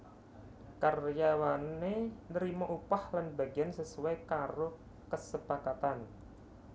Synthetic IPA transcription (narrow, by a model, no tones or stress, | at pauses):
karjawanenəɾimaʔupahlanba̤ɡiansəsuakaɾo | kəsəpakat̪an